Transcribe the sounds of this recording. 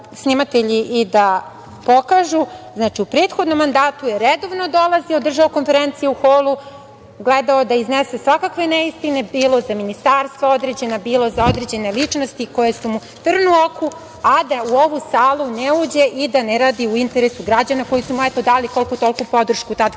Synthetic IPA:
snimat̪eʎiʔid̪a | po̞kaʒuznaːt͡ʃiupɾeːt̪xod̪no̞mːand̪aːt̪ujeɾed̪o̞vno̞d̪o̞lˠaziod̪r̩ʒaoko̞nfeɾent̪sijeuxoːlˠu | ɡled̪aod̪aiznese̞sʋakakʋeneist̪ine̞biːlˠo̞zaminist̪aːɾst̪ʋao̞d̪ɾe̞d͡ʑe̞nabiːlˠo̞zao̞d̪ɾe̞d͡ʑe̞ne̞lit͡ʂnost̪iko̞jesumu | t̪r̩nuoku | ad̪auo̞ʋusaːlˠuneuːd͡ʑe̞ʔid̪aneɾaːd̪iuint̪eɾesuɡɾad͡ʑanako̞jisumuɛt̪o̞d̪aːliko̞lkut̪o̞lkupo̞d̪r̩ʃkut̪ad̪

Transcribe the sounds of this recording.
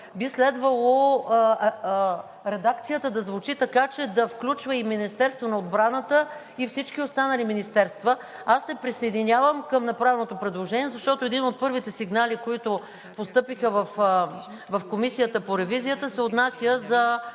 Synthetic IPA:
bislɛd̪vəlˠo | ɾɛd̪akt̪sijət̪əd̪ɐzvʊt͡ʃit̪ɐkat͡ʃɛd̪ɐfklʲut͡ʃvəiminist̪ɛɾst̪vonɐod̪bɾanət̪ə | ifsit͡ʃk̟iost̪anɐliminist̪ɛɾst̪və | asːɛpɾisɐjd̪inʲavəmkəmnɐpɾavɛnot̪opɾɛd̪lˠoʒɛniɛzɐʃt̪ɔt̪oɛd̪inot̪̚pɤɾvit̪ɛsiɡnalikoit̪ʊ | post̪ɤpixəvɐf | vɐfkomisijət̪əpoɾɛvizijət̪əsɛot̪nasʲjəzɐ

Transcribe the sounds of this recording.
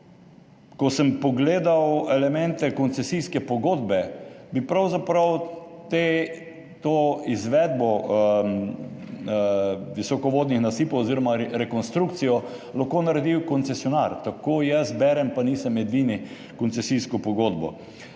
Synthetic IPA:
kɔsəmpɔɡleːd̪awɛlɛmɛnt̪ɛkɔnsɛsijskɛpɔɡoːd̪bɛbipɾawzapɾawt̪e | t̪oːizʋɛd̪bɔ | ʋisɔkɔʋoːd̪nixnasiːpowːziɾɔmaɾɛkɔnst̪ɾuk̚t̪sijɔ | laxkonaɾɛd̪iwkɔnsɛsjɔnaɾt̪akoːjɛsbɛɾɛmpaniːsəmɛd̪ʋiːni | kɔntsɛsiskɔpɔɡoːd̪bɔ̰

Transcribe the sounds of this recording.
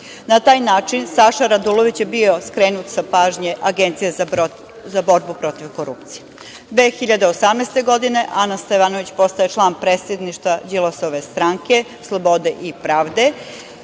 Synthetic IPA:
nat̪aːjnaːt͡ʃinsaʃaɾad̪ulˠoʋit͡ɕjebio̞skɾeːnut̪sapaːʒɲeʔaɡent̪sije | zabo̞ɾbupɾo̞t̪iʋkoɾṵp̚t̪sije | d̪ʋe̞ːxiʎad̪eosamnest̪e̞ɡo̞d̪ine̞ʔanast̪eʋanoʋit͡ɕpo̞st̪aet͡ʃlˠaːnpɾeːt̪sje̞d̪niʃt̪ʋad͡ʒilˠosoʋe̞st̪ɾaŋke̞ | slˠobo̞d̪e̞ʔipɾaːʋd̪e̞

